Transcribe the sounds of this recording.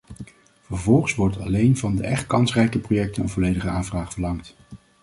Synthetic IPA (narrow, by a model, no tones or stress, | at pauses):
vəɹvɔlˠχəsʋɔɹtɑlejnvɑndəʔɛχt̚kɑnsrɛjkəprojɛk̚tənənvɔlejdəχəaːnvraːχfəɹlɑŋt